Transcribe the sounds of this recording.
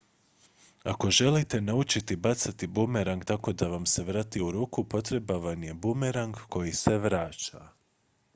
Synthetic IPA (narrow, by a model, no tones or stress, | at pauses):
ako̞ʒe̞lit̪e̞naut͡ʃit̪ibat̪sat̪ibumeɾaŋɡt̪ako̞d̪aʋamse̞ʋɾaːt̪iuɾuːkupo̞t̪ɾe̞baʋanje̞bumeɾaŋɡko̞jise̞ʋɾaːt͡ʃa̰